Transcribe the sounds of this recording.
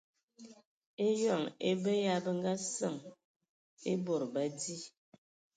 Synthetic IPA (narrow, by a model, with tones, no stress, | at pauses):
e˦jɔ˦˨ŋḛ˦bə˦ja˦bə˦ŋ˦ɡa˦sə˦˨ŋ | e˦bo˨ɾba˦di˦